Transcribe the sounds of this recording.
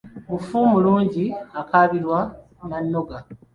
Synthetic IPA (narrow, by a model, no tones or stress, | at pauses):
mufumuluːɲɟiakaβiɾwa | manːoɡa